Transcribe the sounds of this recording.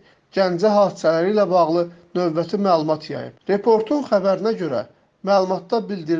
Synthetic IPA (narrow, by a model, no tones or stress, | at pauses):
ɟænd͡ʒæɦɑːd̪isælæɾiːlæbɑɣlˠɯnøvbæt̪ʰimæːlˠumɑt̪ʰjɑ̰jɯ̰pɾe̞pʰo̞ɾt̪ʰunχæbæɾinæɟø̞ɾæ̰ | mæːlˠumɑt̪̚d̪ɑbild̪iɾ